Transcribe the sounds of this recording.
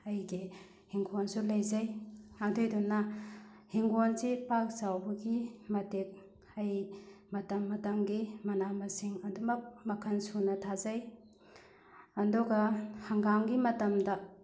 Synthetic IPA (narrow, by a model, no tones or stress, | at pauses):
ɐjɡi | hiŋɡonsulɐjzajadojdunːɐ | hiŋɡonsipak̚t͡ʃawbɐɡimɐtek̚ | ɐjmɐtɐmːɐtɐŋɡimɐnamɐsiŋɐdumɐk̚mɐkʰɐnsunɐtʰazaj | ɐndoɡɐhɐŋɡaŋɡimɐtɐmdɐ